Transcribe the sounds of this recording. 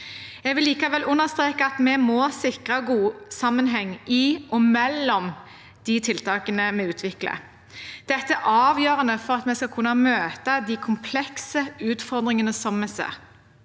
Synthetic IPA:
ɛɡʋɪlːiːkɑʋɛlʔʉnːəst̪ʁeːkəɑt̪mɛmɔsɪkʁɑɡuːsɑmːənɦɛŋːʔɪʔɔmɛlːɔm | d̪̥ɪt̪ʰɪlt̪ɑːkənəmɛʉːt̪ʰʋɪklə̰ | d̪̥ɛt̪ːəæʔɑːʋjøːʁənəfɔʁɑt̪mɛskɑkʰʉnːɑmøːt̪əd̪ɪkʰʊmpʰlɛksəʉːt̪fɔʁd̪ʁɪŋənəsɔmmɛsḛ

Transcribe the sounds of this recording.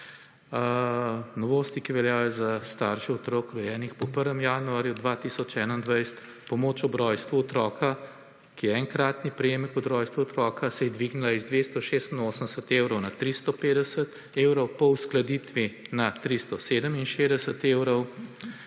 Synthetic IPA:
nɔʋoːst̪ikiʋɛljaːjɔzast̪aːɾʃiɔt̪ɾoːkɾɛjɛːnixpɔpəɾʋɛmjanuaːɾjud̪ʋat̪isɔt͡ʃɛːnaind̪ʋajst̪ | pɔmoːt͡ʃɔbɾɔjst̪ʋuɔt̪ɾɔːkʰa | kijɛɛŋkɾaːt̪nipɾɛjeːmɛkɔbɾɔːjst̪ʋuɔt̪ɾɔːkʰasɛjɛd̪ʋiɡnilaizd̪ʋest̪ɔʃeːst̪inoːsənd̪ɛsət̪ewɾɔwnat̪ɾist̪ɔpeːd̪ɛsət̪ | eːwɾɔwpɔwsklad̪iːt̪ʋinat̪ɾist̪ɔseːd̪əminʃed̪ɛsət̪ewɾɔw

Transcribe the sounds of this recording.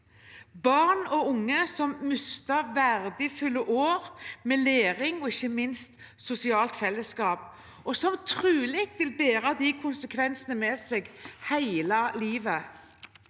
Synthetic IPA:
bɑʁnɔʊŋːəsɔmmʉst̪əʋæʁd̪əfʉlːəʔoːʁmeːleːʁɪŋɔɪçːəmɪnst̪ | sʊsɪɑːlt̪fɛlːəskɑːp | ʔɔsɔmt̪ʰʁʉːliːkʋɪlbeːɾɑd̪iːkʰʊnsəkʰʋɛnsənəmɛːseːɡhæɪlɑliːʋə

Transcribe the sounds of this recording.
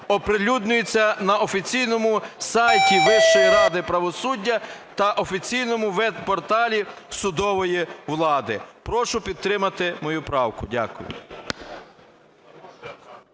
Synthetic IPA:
ɔpɾelʲud̪nʲʊjʊt͡sʲːɐnɐʔɔfʲit͡sʲijnɔmʊsɑjtʲiʋɪʃɔjiɾɑd̪ɪpɾɐʋɔsudʲːɐt̪ɐʔɔfʲit͡sʲijnɔmʊʋɛd̪pɔrt̪ɑlʲi | sʊd̪ɔʋɔjiʋlˠɑd̪ɪpɾɔʃʊpʲid̪̚t̪ɾɪmɐt̪ɪmɔjupɾɑwkʊdʲa̰kʊ̰jʊ̰

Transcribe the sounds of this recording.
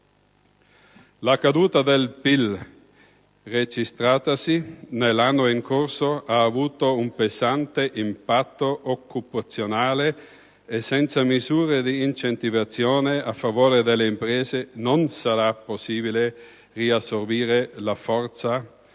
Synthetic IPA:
lakad̪uːt̪ad̪elpil | red͡ʒist̪ɾaːt̪asinelːanːoiŋkorsoaːvuːt̪oumpezant̪eʔimpat̪ːoʔokːupat̪sːjonaːle | esːɛnt̪samizuːɾed̪iːnt͡ʃent̪ivat̪sːjoːneafːavoːɾed̪elːeimpɾɛːzenonsaɾapːosːiːbile | riasːorbiːɾelafɔrt̪sa

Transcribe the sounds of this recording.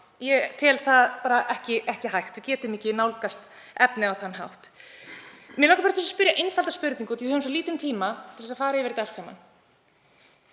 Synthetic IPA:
jɛt̪ʰɪlθaðpaːɾaʔɛhcɪʔɛhcɪɦajxt̪vɪcɛːt̪ɪmiːcɪnawlkast̪ | ɛpnɪawθanɦa̰wht̪ | mjɛnlawkaɾpaɾt̪ɛsaspʏɾjaʔejnfalt̪aspʏɾt̪niŋkaθivhœːvnmsɔliːt̪ʏmt̪ʰiːmat̪ʰɪlθɛsafaːɾajɛvɛɾɪt̪ɛl̥tsɛːma̰n

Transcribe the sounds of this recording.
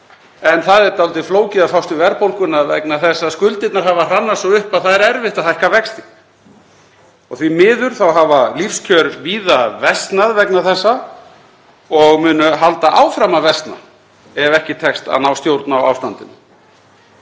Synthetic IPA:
ɛnθaðɛɾt̪awlt̪ɪfloːwcɪðafawst̪ʏvɛɾpowlkʏnaðvɛ̰knaθɛsːaskʏlt̪ɪt̪naɾ̥havar̥anːasɔʏhpaðθaðɛɾɛɾvɪht̪aθajhkavɛkst̪ɪ̥ | ɔɣθvimɪːðʏɾ̥θawɦavalifscʰœɾviːðavɛst̪naðvɛknaθɛsːa | ɔɣmʏːnʏɦalt̪aʔaːwfɾamavɛst̪na̰ | ɛvɛhcɪt̪ʰɛkst̪a̰ðnawst̪jowɾt̪nawa̰ːwst̪ant̪ɪnʏ

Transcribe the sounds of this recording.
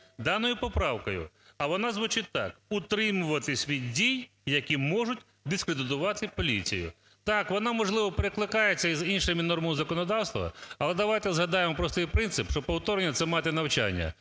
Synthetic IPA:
d̪ɑnɔjʊpɔpɾɑwkɔjʊ̰ | ɐʋɔnazʋʊt͡ʃɪt̚ʲt̪ːɑ̰kʊt̪ɾɪmʊʋɐt̪ɪsʲʋʲidʲdʲij | jɐkʲimɔʐʊtʲ | d̪ɪskɾed̪ɪt̪̬ʊʋɑt̪ɪpɔlʲit͡sʲḭjʊ̰ | t̪ɑkʋɔnɑmɔʒlˠɪʋɔpeɾɪklˠɪkɑjet͡sʲːɐizinʃɪmʲinɔrmɐzɐkɔnɔd̪ɑwst̪ʋɐ̰ɐlˠɛd̪ɐʋajt̪ɛzɦɐd̪ɑjemɔpɾɔst̪ɪjpɾɪnt̪sɪpʃt͡ʃɔpɔwt̪ɔɾenʲːɐt̪sɛmɑt̪ɛnɐwt͡ʃa̰nʲːɐ̰

